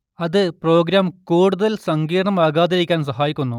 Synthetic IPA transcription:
ɐðɨpro̞ːɡɾaːmkuːɽuðɐlsɐŋɡiːɾɐɳɐmaːɣaːðiɾikʲːaːns̬ɐɦaːjikʲːunːu

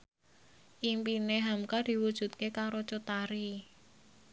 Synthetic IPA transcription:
ʔimpineɦamkad̥i̤wud̥ʒ̥ṳt̪̚kekaɾot͡ʃut̪aɾi

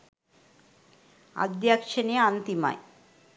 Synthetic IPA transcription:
a̰d̪jakʃeniant̪ima̰j

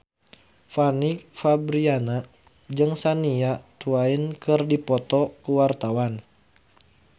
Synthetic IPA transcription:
fanik̚fabɾiana | d͡ʒɨŋsaniat̪uainkɨrdipɔt̪ɔkuwart̪awan

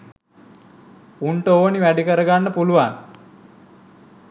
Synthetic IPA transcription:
uɳʈəoːniʋæɖikəɾəɡanːəpuluʋan

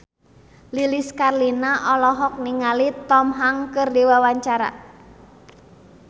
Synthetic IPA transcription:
liliskarlinaʔɔlɔɦɔk̚niŋalit̪ɔmɦaŋkərdewawaɲt͡ʃaɾa̰

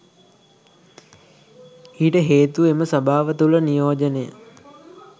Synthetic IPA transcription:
iːʈəɦeːt̪ueməsɐbʱaːʋət̪ulənijoːd͡ʒənejə̰

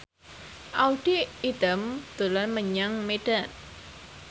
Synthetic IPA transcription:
ʔawɖ̥iːd̪əmd̪̥o̤lanməɲaŋmeɖ̥an

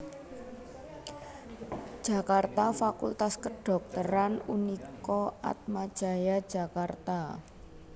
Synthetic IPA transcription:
d̥ʒ̥a̤kart̪afakult̪askəɖ̥ɔ̤k̚t̪əɾanunikɔa̰t̪̚mad̥ʒ̥a̤jad̥ʒ̥a̤kart̪a

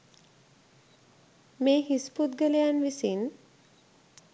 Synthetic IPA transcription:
meːɦisput̪̚ɡəlejanʋisin

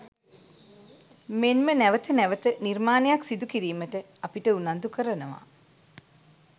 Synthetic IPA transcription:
menmənæʋət̪ənæʋət̪ənirmaːnejaksid̪ukiɾiːməʈə | apiʈəunand̪ukəɾənəʋa̰

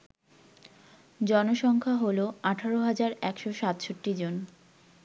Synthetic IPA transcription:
d͡ʑɔnoʃɔŋkʰaɦoloaʈʰaɾoɦad͡ʑaɾɛkʃoʃat̪ʃoʈːid͡ʑon

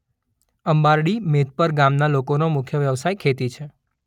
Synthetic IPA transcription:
əmbaɾɽimet̪̚pəɾɡamnalokonomʊkʰjəʋjəʋsajkʰet̪it͡ʃʰe

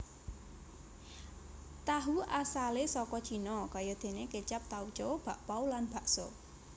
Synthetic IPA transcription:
t̪aɦuʔasalesɔkɔ̥t͡ʃinɔkajɔd̪̥e̤nekət͡ʃap̚t̪au̥t͡ʃɔb̥a̤ʔpawlanb̥a̤ʔsɔ̰

